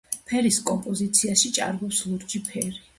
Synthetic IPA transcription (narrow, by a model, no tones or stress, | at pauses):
pʰɛɾiskʼɔmpʼɔzit̪sʰiaʃit͡ʃʼa̰ɾɡɔpslˠuɾd͡ʒipʰɛɾi